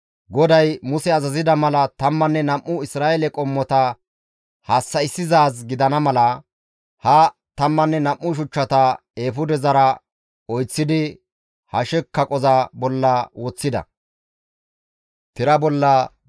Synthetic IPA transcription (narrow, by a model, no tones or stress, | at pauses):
ɡɔd̪ɐjmʊsɛɐzɐzɪd̪ɐmɐlɐt̪ɐmːɐnːɛnɐmːʊɪsɾaːjɛlɛkʼɔmːɔt̪ɐ | haːsːɐɪsːɪzaːz̬ɡɪd̪ɐnɐmɐlɐ | hɐ | t̪ɐmːɐnːɛnɐmːʊʃ̬ʊt͡ʃːɐt̪ɐ | eːfʊd̪ɛzɐɾɐ | ɔjt͡sːɪd̪ɪ | hɐʃɛkːɐkʼɔzɐbɔlːɐwɔt͡sːɪd̪ɐ̰ | t̪ɪɾɐbɔlːɐ